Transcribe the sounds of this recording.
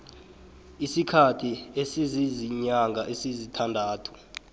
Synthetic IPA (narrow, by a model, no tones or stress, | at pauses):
isikʰatʰiesiziziɲaŋɡʱaʔesizitʰandʱaːtʰu̥